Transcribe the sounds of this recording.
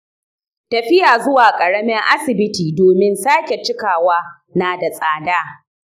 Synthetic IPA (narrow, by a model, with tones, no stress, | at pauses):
tɐ˨ɸɪ˦jaː˨zʊ˦waː˨kʼɐ˨ɽɐ˦mɪ˦ŋʔa˦sɪ˨bɪ˦tiː˨doː˨mɪ˦nsaː˦kʲe˨t͡ʃɪ˦kaː˨waː˦ | naː˨da˨sʼaː˨daː˦